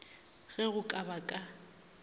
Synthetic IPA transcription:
ɣɛɣʊkʼabakʼa

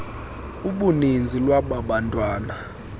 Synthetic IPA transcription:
uɓunind͡zʱilwaɓaɓantʼwaːna

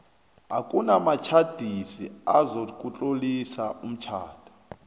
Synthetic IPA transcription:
ɦakʼunamat͡ʃʰad̥ʱisiazokʼut͡ɬʼolisaum̩t͡ʃʰa̰ːd̥ʰʱɔ̥

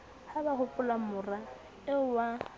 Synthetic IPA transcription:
habahʊpʼʊlamʊra | ɪwa

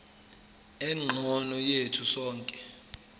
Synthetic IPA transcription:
ɛŋ͡ǃʱɔnɔjetʰusɔːŋkʼɛ

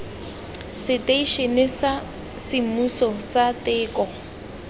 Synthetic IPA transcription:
sɪtʼeiʃenɪsa | sɪmusɔsatʼɪːkʼɔ

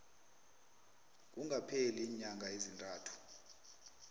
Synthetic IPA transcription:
k̬ʼuŋɡapʰɛliːɲaŋɡʱaezintʼaːtʰu̥

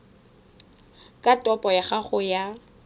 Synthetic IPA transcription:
kʼatʼɔpʼɔjaχaχʊja

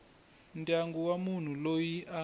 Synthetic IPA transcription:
ntʼaŋɡuwamun̤ulojiʔa

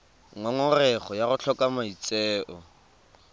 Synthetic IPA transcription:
ŋɔŋɔrɛχɔjaɣʊɬʰɔkʼamait͡sʼɛːʔɔ

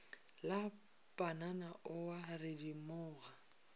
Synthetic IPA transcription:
la | pʼananaʔʊwarɪdimʊːɣa

